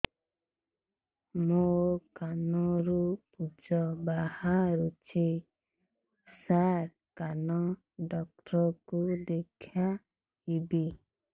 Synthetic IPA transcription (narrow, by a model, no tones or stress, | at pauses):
mokanɔɾupud͡ʒɔbahaɾut͡ʃʰi | saɾ | kanɔ | ɖɔk̚ʈɾɔkud̪ekʰja | ibi